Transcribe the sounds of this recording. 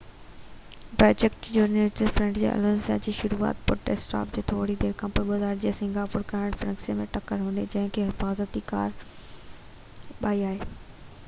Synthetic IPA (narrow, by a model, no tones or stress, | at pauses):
pɾoːd͡ʑekʈd͡ʑuːɾnəlʈɪfɾɐ̃ɳʈd͡ʑḛːʔɐ̰lənsa̰d͡ʑiːʃʊɾua̰ːt̪pʊɾʈesʈa̰ːpd͡ʑeːt̪ʰoːɽid̪eːɾkãmpʊɾɓɐzaːɾd͡ʑeːsɪ̃ŋɡaːpʊːɾkãːɽ̃fɾɐ̃ŋksijəmẽʈɐkəɾɦũːnd̪ed͡ʑɐ̃ɦɪ̃kʰeɦɪfaːzət̪ika̰ːɾ | ɓaːiaːɦeː